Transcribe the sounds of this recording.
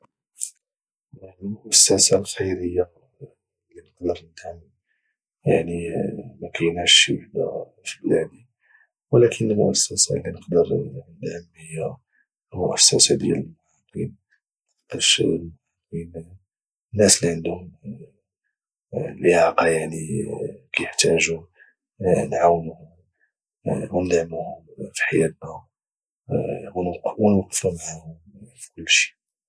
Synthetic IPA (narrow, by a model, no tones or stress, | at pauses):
jaʕnilmʊʔæsːæsalxɑjɾəjːa | lːinəqd̪əɾd̪hæmː | jaʕnimækʰæjnæʃwaħd̪a̰ | fiblæd̪i | wəlækʰənːəlmʊʔæsːæsa̰lːinəqd̪əɾnd̪həmːəjːa | mʊ̰ʔæsːæsad̪jæ̰ləlmʊħɑq̪ḭn | t̪ːɑʃmʊʕɑqin | nːæslːiʕənd̪uhʊm | ləʕaqɑjaʕnikæjəħt̪æʒu | nʕawːnuhʊ | wnd̪ʕmuhʊmfi̥ħajæt̪̚næ | wnwnqfunʕahʊmfi̥kʊlːʃi̥